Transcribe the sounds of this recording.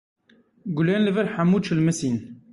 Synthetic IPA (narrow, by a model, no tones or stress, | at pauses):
ɡʊleːnləvəɾħamuːt͡ʃʰəlmɨsiːn